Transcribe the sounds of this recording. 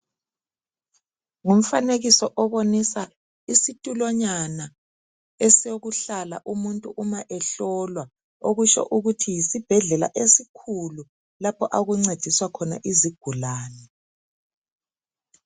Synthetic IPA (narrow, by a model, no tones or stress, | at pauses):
ŋum̩faneɣisɔʔɔβonisa | isitʼulɔɲana | esijoɣuɬala̰ʔumuntʼuʔumaʔɛɬɔlwa | oɣuʃɔ̰ʔuɣutʰijisib̥ʱɛɮɛla̰ʔesikʰulu | lapʰɔʔaɣuŋ͡ǀed̥d̥ʱiswakʰɔna̰ʔiziɡ̥ʱulaːnɛ